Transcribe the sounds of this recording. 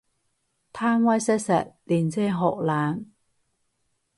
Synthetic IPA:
t̪ʰaː˥mwɐ˥jsɛ˥k̚sɐ̰˨t̚liː˨˩nt͡sɛː˥ɦɔ̰ː˨k̚laː˨˥n

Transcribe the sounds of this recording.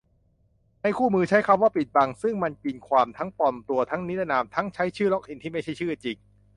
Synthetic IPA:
na˧jkʰuː˥˩mɯː˧t͡ɕʰa˦˥jkʰa˧mwaː˥˩pi˨˩t̪̚ba˧ŋsɯ˥˩ŋma˧nki˧nkʰwaː˧mt̪ʰa˦˥ŋpɔ˨˩nt̪u˧ɐt̪ʰa˦˥ŋni˦˥t̪a˧naː˧mt̪ʰa˦˥ŋt͡ɕʰa˦˥jt͡ɕʰɯː˥˩lɔ˦˥k̚ʔi˧nt̪ʰiː˥˩ma˥˩jt͡ɕʰa˥˩t͡ɕʰɯː˥˩t͡ɕi˨˩ŋ

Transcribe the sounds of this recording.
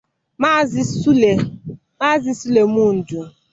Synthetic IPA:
m˦e˨ | ma˦zɪ˦su˦le˨mu˦n̩˨d͡ʒu˨

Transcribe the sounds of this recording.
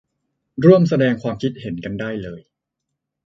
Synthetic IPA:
ɾu˥˩əmsa˧dɛː˧ŋkʰwaː˧mkʰi˦˥t̪̚he˩˦nka˧ndaː˥˩jlɤː˧j

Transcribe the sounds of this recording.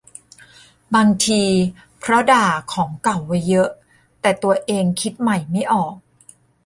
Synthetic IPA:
baː˧ŋt̪ʰiː˧ | pʰɾɔ˦˥daː˨˩kʰɔː˩˦ŋka˨˩wːa˦˥jːɤ˦˥ʔ | t̪ɛː˨˩t̪u˧ɐʔeː˧ŋkʰi˦˥t̪̚ma˨˩jma˥˩jʔɔː˨˩k̚

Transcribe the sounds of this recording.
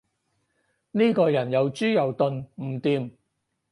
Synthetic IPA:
niː˥kɔː˧jɐ˨˩njɐ˨˧wt͡ʃyː˥jɐ˨˩wt̪ɵ˧nm̩˨˩t̪iː˧m

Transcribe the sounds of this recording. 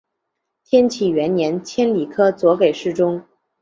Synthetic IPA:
t̪ʰjɛ˥nt͡ɕʰi˨˩ɥɛ˧˥nnjɛ˧˥nt͡ɕʰjɛ˥nli˨˩kʰɤ˥t͡swɔ˧˥ke˨˩ɪʂɻ̩˥˩ʈ͡ʂʊ˥ŋ

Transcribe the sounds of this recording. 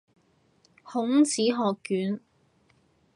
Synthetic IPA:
hʊ˨˥ŋt͡siː˨˥ɦɔː˨kːyː˨˥n

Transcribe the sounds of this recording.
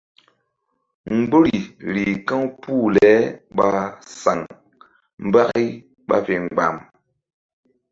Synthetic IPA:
ŋ̩˦ɡ͡bo˦ɾi˨ɾi˨kã˦wpu˦˨lɛ˨˦ɓa˦sa˨ŋ | m˦ba˦ki˦ | ɓa̰˦fe˨ŋ˨ɡ͡ba̰˨m

